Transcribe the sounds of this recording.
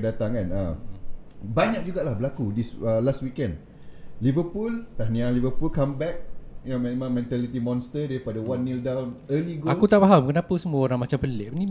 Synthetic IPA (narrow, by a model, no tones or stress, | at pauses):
ədat̪aŋkana | baɲak̚d͡ʒuɡaʔlahbəlakudisəlast̪̚wikɛ̃nd | livəpult̪anĩãlivəpulkãmbɛk̚jnomɛ̃mãmɛ̃nt̪alit̪imɔ̃nst̪ədɛɾipadəwanːildawnəliɡoakut̪aʔpaɦamkənapəsəmũəoɾãŋmat͡ʃampəlɛʔnĩ